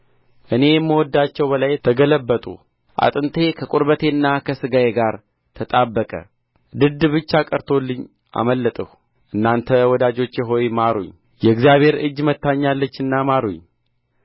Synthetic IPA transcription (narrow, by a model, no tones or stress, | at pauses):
ʔɨne̞jɛmːəwɔd̪ːat͡ʃːɛwbəlajt̪ʰəɡələbːət̪ʼṵ | ʔa̰t̪ʼɨnt̪ʰe̞kʰəkʼuɾbət̪ʰe̞nːakʰəsɨɡajeɡaɾ | t̪ʰət̪ʼabːəkʼə̰ | d̪ɨd̪bɨt͡ʃːakʼəɾt̪ʰo̞lːɨɲː | ʔa̰məlːət̪ʼəh | ʔɨnːant̪ʰəwɔd̪ad͡ʒo̞t͡ʃːjɛɦo̞jmaɾuɲ | jɛɨɡzjaβhe̞ɾɨd͡ʒːmət̪ːaɲːalːət͡ʃːɨnːamaɾuɲ